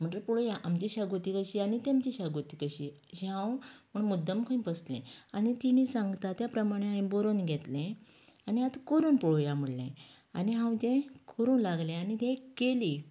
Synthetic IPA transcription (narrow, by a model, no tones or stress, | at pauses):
m̤əɳʈəpɔɽojaʔamt͡ɕiɕaɡot̪ikəɕiːanit̪emt͡ɕiɕaɡot̪ikəɕiː | ɕiɦãwməɳmud̪ːəmkʰəĩpəslɛ̰̃anit̪inisãŋɡt̪at̪japɾəmaɽ̃ẽɦãj̃boɾonɡʱɛt̪lẽ | aniat̪kəɾuːnpɔɭojam̤əɽlḛ̃ | aniɦãwd͡ʑẽkʰəɾuːnlaɡlẽanit̪ẽkeli